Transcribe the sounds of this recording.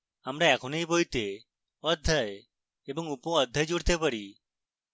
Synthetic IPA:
amɾaɛkʰɔnejbojt̪e | ɔd̪ʱːaj | ebɔŋupõɔd̪ʱːajd͡ʒuɽt̪epaɾi

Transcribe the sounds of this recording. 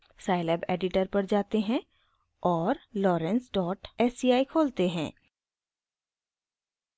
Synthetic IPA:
saːɪlɛːbɛːɖɪʈəɾpɐɾd͡ʒaːt̪eɦɛ̃ | ɔːɾlɔːɾɛ̃nsɖɔːʈɛːsiaːikʰoːlt̪eɦɛ̰̃ː

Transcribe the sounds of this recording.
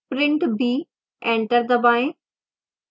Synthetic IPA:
pɾɪ̃ɳʈbʱiː | ẽːɳʈəɾd̪ɐbaːẽ

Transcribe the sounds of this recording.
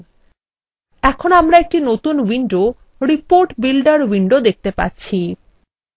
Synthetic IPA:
ɛkʰonoamɾaek̚ʈinot̪unwiɳɖo | ɾipoɾʈbilɖaɾwiɳɖod̪ek̚t̪epa̰ɾt͡ɕʰi

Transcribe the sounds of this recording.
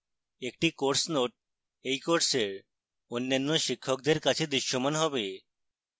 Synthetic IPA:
ek̚ʈikoɾsnoʈ̚ | ejkoɾseɾ | onːanːoʃikʰːok̚d̪eɾkat͡ɕʰed̪ɾiʃːomanɦɔbe

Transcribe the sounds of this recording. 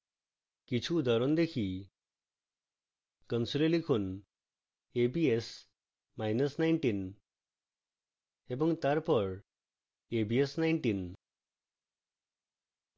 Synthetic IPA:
kit͡ɕʰud̪ʱəɾond̪ekʰi | kənsulelikʰuːn | ebies | majnəsnajɳʈiːn | ebəŋɡt̪aɾpəɽ | ebiesnajɳʈiːn

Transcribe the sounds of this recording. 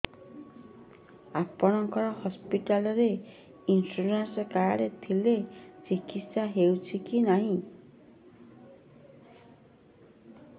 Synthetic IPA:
apɔɽ̃ɔŋkɔɾɔhɔspiʈalɔɾe | insuɾensɔkaɽet̪ʰilet͡ʃikit̪saɦewt͡ʃʰikinaɦĩ

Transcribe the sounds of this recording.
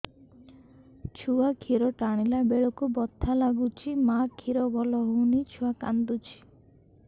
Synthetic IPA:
t͡ʃʰuakʰiɾɔʈaɽ̃ilabeɭɔkubɔt̪ʰːalaɡut͡ʃʰimakʰiɾɔɡɔlɔɦunit͡ʃʰuaka̰nd̪ut͡ʃʰi̥

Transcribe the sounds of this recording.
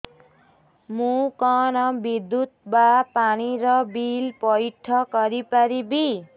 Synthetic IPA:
mukʌnʌbid̪ːut̪̚bapaniɾʌbilpʌjʈʰːʌkʌɾipaɾibi

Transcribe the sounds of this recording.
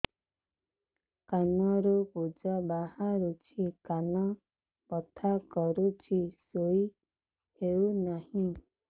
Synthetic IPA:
kanɔ̃ɾupud͡ʒɔbahaɾut͡ʃʰikanɔ̃ | pɔt̪ʰakɔɾut͡ʃʰisoi | heunahĩ

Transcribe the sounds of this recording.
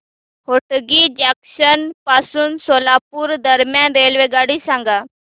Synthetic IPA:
hoːʈɡiːd͡ʒaːksənpaːsʊnsoːlaːpuɾd̪əɾmjãːnɾeːlʋeːɡaːɽisãːŋɡaː

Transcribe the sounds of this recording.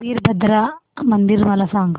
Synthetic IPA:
iːɾbɐd̪ɾɐmɐnd̪iɾmɐlɐsaːŋɡɐ

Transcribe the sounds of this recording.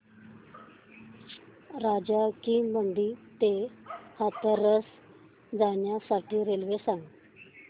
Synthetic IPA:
ɾad͡ʑakiməɳɖ̪iːt̪ehat̪əɾəs | d͡zaɳjasaʈʰiːɾelʋesãŋɡ

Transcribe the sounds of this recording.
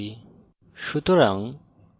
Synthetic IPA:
i | ʃut̪uɾaŋ

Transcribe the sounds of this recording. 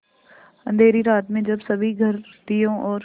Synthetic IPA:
ɐ̰̃nd̪ʱeːɾiɾaːt̪mẽd͡ʒɐbsɐbʱiɡʱɐɾt̪ijõːʔɔːɾ

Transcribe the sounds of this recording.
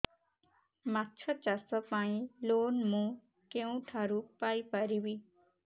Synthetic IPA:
matːt͡ʃʰət͡ʃasɔpaĩloːnmũ | keũʈʰaɾupajpaɾibi

